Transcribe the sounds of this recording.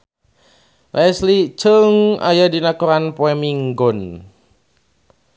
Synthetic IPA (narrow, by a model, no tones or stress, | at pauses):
lɛslit͡ʃəŋa̰jadinakuɾanpoɛmiŋɡɔn